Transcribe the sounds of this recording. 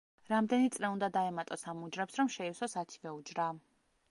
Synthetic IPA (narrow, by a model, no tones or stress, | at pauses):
ɾamd̪ɛnit̪sʼlɛund̪ad̪aɛmat̪ʼɔsamud͡ʒɾɛpsɾɔmʃɛisɔsat̪ʰi̥vɛud͡ʒɾaː